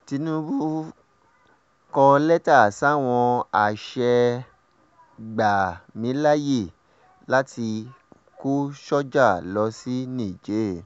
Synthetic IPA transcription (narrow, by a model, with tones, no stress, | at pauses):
ti˧nũ˦bu˦ | kɔ˧lɛ˦ta˦˨sa˦˨w̃ɔ̃˧a˨ʃɛ˧ | ɡ͡ba˨mĩ˨˦la˦je˦˨ | la˦ti˧ | ko˦ʃɔ˦d͡ʒa˦˨lɔ˧˦si˦nĩ˦˨d͡ʒe˨˦˨